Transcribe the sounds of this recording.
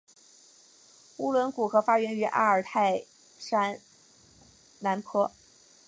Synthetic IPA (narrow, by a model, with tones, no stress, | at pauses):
u˥lwə˧˥nku˨˩xɤ˧˥fa˥ɥɛ˧˥ny˧˥ʔa̰˥ə˞˨˩t̪ʰa˥˩ɪ | ʂa˥n | na˧˥npʰɤ˥